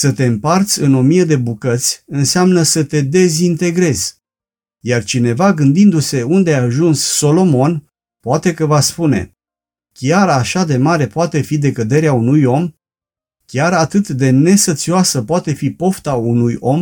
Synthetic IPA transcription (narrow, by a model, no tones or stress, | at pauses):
sət̪e̞ɨmpart̪sʲɨno̞mijed̪e̞bukət̪sʲɨnseamnəsət̪e̞d̪e̞zint̪e̞ɡɾe̞z | jart͡ʃine̞vaɡɨnd̪ind̪use̞und̪eaaːʒunsːo̞lo̞mo̞n | poat̪e̞kəvaspune̞̰ | kʲaɾaʃad̪e̞maɾe̞poat̪e̞fid̪e̞kəd̪e̞ɾeaunujo̞m | kʲaɾat̪ɨt̪d̪e̞ne̞sot̪sioasəpoat̪e̞fipo̞ft̪aunujo̞m